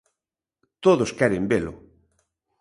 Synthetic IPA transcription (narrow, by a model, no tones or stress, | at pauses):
t̪oðoskɛɾembelʊ̰